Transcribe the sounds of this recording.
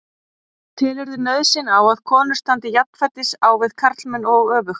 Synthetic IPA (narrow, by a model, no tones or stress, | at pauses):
t̪ʰɪːlɛɾðʏnœðsɪnawað̥kʰɔːnʏ̥st̪ant̪ɪjap̪̚n̥fɛt̪ːɪsawvɪðkʰaɾ̥t̪lmɪnɔɣœːvʏx